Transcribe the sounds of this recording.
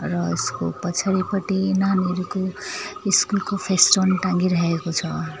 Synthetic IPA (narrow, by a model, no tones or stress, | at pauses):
rʌeskopʌt͡sʰaɾipʌʈinaneɾukoiskulkopʰesʈonʈãŋɡiɾʌɦekot͡sʰʌ